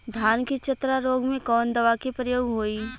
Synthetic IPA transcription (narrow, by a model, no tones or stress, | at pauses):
d̪ʱjaːnkit͡ʃɐt̪ɾaɾoːɡmẽkɔːnd̪ɐʋakipɾəjoːɡɦoːiː